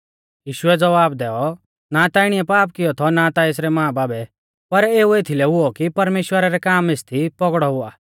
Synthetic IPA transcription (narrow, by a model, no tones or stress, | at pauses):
jiːʃʊɛd͡zɐʋaːbd̪ɛːɔ | nat̪aːɪɽ̃iɛpaːp̬̚kɪjɔt̪ʰɔnat̪aes̬ɾɛmãːbaːbɛ | pɐɾeːuet̪ʰilɛɦʊɔkipɐɾmeːʃwəɾaɾɛkaːmɪst̪ʰipɔɡɽɔɦʊaː